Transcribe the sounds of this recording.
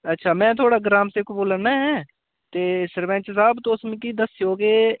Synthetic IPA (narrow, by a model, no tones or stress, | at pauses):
ətːʃʰaːmɛ̃ːt̪ʰoːɽaːɡɾaːmsɪkboːlənaɦɛ̃ː | t̪eːsəɾʋɛ̃ːnt͡ʃəsaːbt̪õːsmɪ̃kiːd̪əsɪjoːɡeː